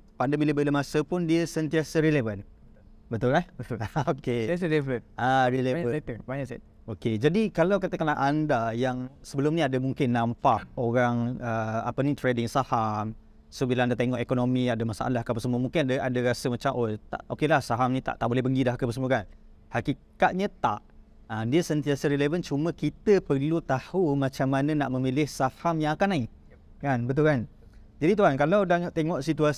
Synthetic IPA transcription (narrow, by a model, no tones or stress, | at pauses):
pandəmbiləbələmasəpʊndiəsənt̪iasəɾelevan | bət̪ʊlɛhbət̪aokesədefɾənaɾileɲaət̪əpaɲasɛt̪ | oked͡ʒadikalawkat̪əkanaʔandajaŋsəbəlʊmnĩadamuŋkɪnːãmpaʔoɾaŋəa̰pənĩt̪ɾedɪŋsaham | sobilãŋadat̪eŋɔʔekonõmiadamasaʔa̰lahkəpəsəmuəmuŋkɪnadaʔadaɾasəmat͡ʃamʔot̪a̰ʔokelahsaɦamnĩt̪a̰ʔt̪aʔbolɛhpəŋɡidahkəpəsəmukan | hakikat̪̚ɲət̪aʔ | ədiəsənt̪iasəɾelevənt͡ʃumə̃kit̪əpərlut̪ahumãt͡ʃamːanənaʔmə̃milɪhsahamjaŋakanai | kanbət̪̬ulkan | d͡ʒadit̪̬uɦankalawdat̪eŋɔʔsit̪ua